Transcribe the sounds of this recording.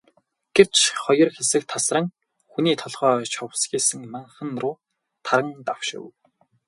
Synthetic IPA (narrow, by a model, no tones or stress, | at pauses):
ɡ̥ew̥t͡ɕχɔjɞ̆rxesɘ̆k̚t̪ʰːasrə̆ŋ | xuniːt̪ʰɔɮʁœːt͡ɕʰɔwsxʲiːsɘ̆ŋmaɴχə̆nrʊː | t̪ʰaɾə̆ŋt̪awʃɪ̰̆w